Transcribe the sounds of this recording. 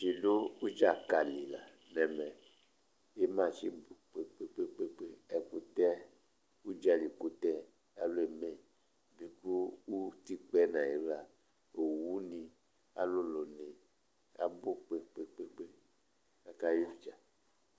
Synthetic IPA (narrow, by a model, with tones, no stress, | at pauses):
ʃi˨do˦u˦d͡ʒa˦˨ka˨li˨la˨ | nɛ˨mɛ˨ | e˦mã˦˨t͡ʃi˦bo˨k͡pe˦k͡pe˦k͡pe˦k͡pe˦k͡pe˦ɛ˨ku˨tɛ˦ | u˦d͡ʒa˧li˨ku˦tɛ˦ | a˨lo˦e˨mɛ̃˨ | bi˨ku˦u˦ti˦k͡pɛ˦nã˨e˨ba˨ | o˨wu˦nĩ˧ | a̰˦lo˦lo˨ne˨ | a̰˨bo˦k͡pe˦k͡pe˦k͡pe˦k͡pe˦ | a˨ka˦jo˦˨d͡ʒa˨